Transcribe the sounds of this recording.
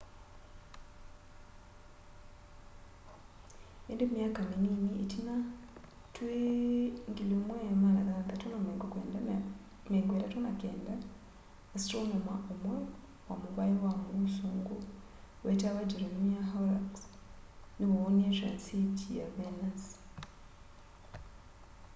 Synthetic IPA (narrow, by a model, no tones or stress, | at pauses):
endemjaːkamininietina | tweŋɡilomwemanakaɡatonameŋɡokwea | meŋɡweɾatwonakeːndaː | si̥toɲamaʔomwe | wamuβaiwamusuːŋɡo | wetaβad͡ʒeɾonmiaɦalaks | niβoβonietɾansitʰijaβenas